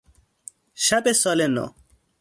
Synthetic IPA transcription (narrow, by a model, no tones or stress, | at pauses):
ɕɐpesɔleno̰